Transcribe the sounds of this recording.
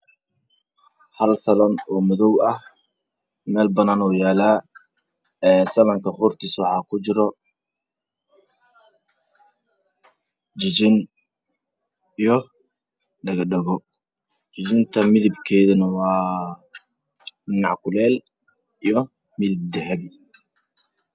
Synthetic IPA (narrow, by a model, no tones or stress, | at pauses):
hɐlsɐlɔnɔːmʊðɔwɐh | mɛːlbɐnaːnɔjaːlaː | ɛːsɐlɐŋkʰɐχʊrt̪ʰiswɑħɑːkʰʊt͡ʃɪɾɔ | d͡ʒɪt͡ʃɪn | ijɞ | ɖɐɣɐɖɛɣɔ | t͡ʃɪt͡ʃɪnt̪ʰɐmɪðɪbkʰɛːðɐnɐwɑː | ɖɪnɑʕkʰʊlɛːl | ijɞ | mɪðɪb̚d̪ɛɦɛbi